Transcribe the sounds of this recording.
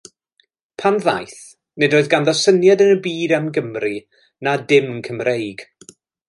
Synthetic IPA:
pʰanða̰jθ | nɪdoɨðɡanðɔsənjadənəbiːdamɡəmri | nadɪmnkʰəmrʔejɡ̥

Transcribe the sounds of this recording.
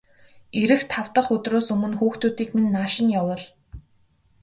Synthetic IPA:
eɾɘ̆xt̪ʰaw̥t̪ə̆χɵt̪roːsɵmɵ̆nxuːxt̪uːt̪iːkminːaːʃɪ̆njawə̆ɮ

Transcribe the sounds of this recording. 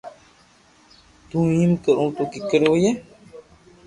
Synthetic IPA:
t̪ũjĩmkəɾũt̪okikəɾojɛ

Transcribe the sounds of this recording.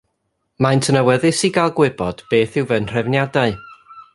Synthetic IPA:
majntʰənəwɛðɨsiɡalˠɡwɪbɔd̥b̥eːθɪwvənr̥ɛvnjadaɨ

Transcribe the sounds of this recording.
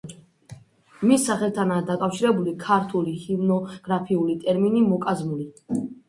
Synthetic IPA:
misːaχɛlt̪ʰanaːd̪akʼafʃiɾɛbulikʰaɾt̪ʰulihimnɔɡ̥ɾapʰiulit̪ʼɛɾminimɔkʼazmuli

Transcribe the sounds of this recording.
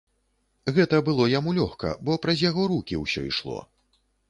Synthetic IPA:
ɣɛt̪ɐbɨlˠɔjamulʲɔxkɐ̰bɔpɾɐzʲjaɣɔɾukʲiwsʲɔ̰iʂlˠɔ̰

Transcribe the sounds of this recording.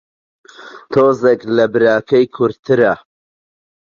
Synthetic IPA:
t̪ʰoːzeklɐbɨɾaːkʰɐjkʰʊɾt̪ʰɨɾa

